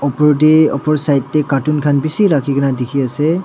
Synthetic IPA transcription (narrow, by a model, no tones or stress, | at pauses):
ɔpɔɹdɛɔ̰pɔɹsajtːɛkatunkʰanbisiɹakʰikʰanadikʰiasɛ